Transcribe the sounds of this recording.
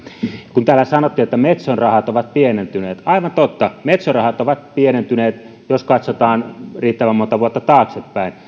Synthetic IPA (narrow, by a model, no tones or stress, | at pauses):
kunt̪æːlːæsɑnot̪ːiːet̪ːæmet̪sonrɑhɑt̪oʋɑt̪̚pienent̪yneːt̪ɑiʋɑnt̪ot̪ːɑmet̪sorɑhɑt̪oʋɑt̪̚pienent̪yneːt̪ | joskɑt̪sot̪ɑːnriːt̪ːæʋæmːont̪ɑʋuot̪ːɑt̪ɑːksepːæˑin